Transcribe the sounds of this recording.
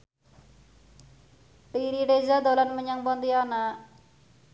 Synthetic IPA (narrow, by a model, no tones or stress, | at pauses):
ʈiɾiɖezad̪ɔlanməɲaŋbɔnd̪ijana